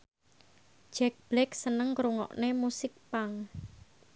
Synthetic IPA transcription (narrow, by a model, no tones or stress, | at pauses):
d͡ʒ̥ɛk̚b̥lɛksənəŋkɾuŋɔ̰ʔnemusɪk̚paŋ